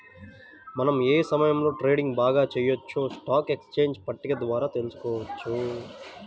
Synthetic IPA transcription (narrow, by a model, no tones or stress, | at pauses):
mɐnɐmeːsɐmɐjɐmlo̞ːʈɾe̞ːɖiŋɡbaːɡaːt͡ʃejɐt͡ʃːoːsʈaːkekst͡ʃeːɲd͡ʒpɐʈːiɡɐd̪ʋaːɾaːt̪e̞lusu̥kɔːʋɐt͡ʃːu